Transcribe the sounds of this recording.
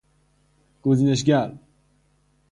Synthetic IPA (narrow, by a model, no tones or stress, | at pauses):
ɡ̥ozineʃ̬ɡaɾ